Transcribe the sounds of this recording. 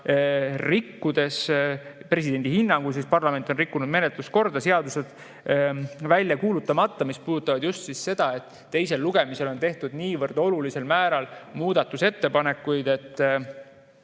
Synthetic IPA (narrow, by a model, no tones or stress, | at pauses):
rikːud̪̥e̞spre̞s̬id̪̥e̞nd̪̥ihinːɑŋɡ̥ujsispɑrlɑme̞nt̪ːˑo̞nrikːunud̪me̞ne̞t̪lusko̞rd̪̥ɑse̞ɑd̪use̞d̪̥ | vælʲjɑkuːlut̪ːˑɑmɑt̪ːɑmispuːd̪ut̪ːˑɑvɑd̪̥just̪sisse̞d̪̥ɑe̞t̪ːe̞jse̞lːuɡ̥e̞mise̞lo̞nt̪e̞ht̪ud̪̥niːvɤrd̪̥o̞lulise̞lmæːɾɑlmuːd̪̥ɑt̪ːˑuse̞t̪ːe̞pɑne̞kːˑujd̪e̞t̪ː